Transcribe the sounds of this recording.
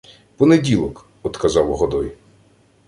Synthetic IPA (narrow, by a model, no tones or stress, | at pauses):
pɔnedʲilˠɔk | ɔt̪kɐzɑwɦɔd̪ɔj